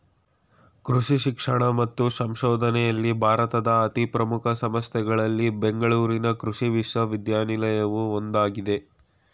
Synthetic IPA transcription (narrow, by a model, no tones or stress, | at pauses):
kɾuʂiʃikʂɐɳɐmɐt̪ːusɐmʃɔːd̪ʱɐnɛjɐlːibʱaːɾɐt̪ɐd̪ɐːt̪ipɾɐmukʰɐsɐmɐstjɛɡɐɭɐlːibe̞ŋɡɐɭuːɾinɐkɾuʂiʋiʂʋɐʋid̪jaːnilɐjɐʋuond̪aːɡid̪e̞